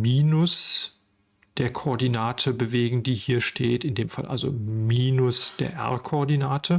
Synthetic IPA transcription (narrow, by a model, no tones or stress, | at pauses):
miːnʊs | d̥eːɐkʰoɔɐdinaːtʰəbəveːɡŋ̩diːhiːɐʃtʰeːtɪndeːmfa̰lʔa̰lzo̰miːnʊsd̥eːɐʔɛ̰ɐkʰoɔɐdinaːtʰə